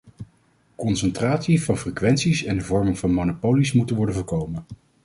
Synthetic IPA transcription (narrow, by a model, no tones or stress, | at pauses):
kɔnsɛntraːtsivɑnfrekʋɛntsisɛndəvɔɹmɪŋvɑnmonopowlismutənʋɔɹdənvɔːɹkowmən